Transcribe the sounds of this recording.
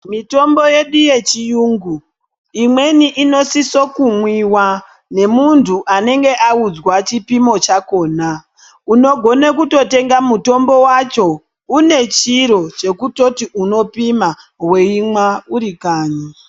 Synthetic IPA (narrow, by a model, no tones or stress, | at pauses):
mito̞mbo̞je̞ɗuje̞t͡ʃijuːŋɡu | imwe̞niʔino̞siso̞kumwiwa | ne̞muntʰuʔane̞ŋɡe̞ʔaud͡zwat͡ʃipimo̞t͡ʃako̞ːna | uno̞ɡʱo̞nekuto̞te̞ŋɡamuto̞mbo̞wat͡ʃo̞ | une̞t͡ʃiɾo̞t͡ʃe̞kuto̞tiʔuno̞pima | we̞imwauɾikaːɲa